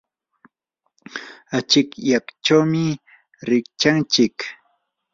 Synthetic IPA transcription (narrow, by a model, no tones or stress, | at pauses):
at͡ʃɪkjakt͡ʃawmɪ | ɾɪk̚t͡ʃaŋt͡ʃɪk